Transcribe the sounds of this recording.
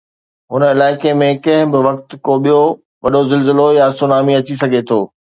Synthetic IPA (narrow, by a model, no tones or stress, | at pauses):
ɦʊnəɪlaːɪkemẽkɐ̃ɦɪ̃bɪʋɐkt̪koɓijo | ʋɐɗozɪlzɪlojasʊnaːmiɐt͡ɕisɐɡʱet̪ʰoː